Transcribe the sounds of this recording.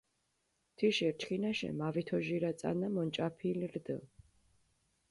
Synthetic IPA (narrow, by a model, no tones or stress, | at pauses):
t̪ʰiʃiɾt͡ʃʰχʰinaʃɛ̰mavit̪ʰɔʒiɾat̪sʼa̰namɔnt͡ʃʼapʰilɾd̪ə̰